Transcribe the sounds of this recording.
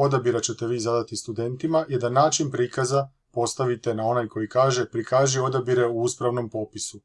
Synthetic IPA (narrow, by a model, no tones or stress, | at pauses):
o̞d̪abiɾat͡ɕe̞t̪e̞ʋiːzad̪at̪ist̪ud̪e̞nt̪imajed̪anaːt͡ʃinpɾiːkaza | po̞st̪aʋit̪e̞nao̞najko̞jikaːʒe̞pɾikaːʒio̞d̪abiɾe̞uuspɾaʋno̞mpo̞pisu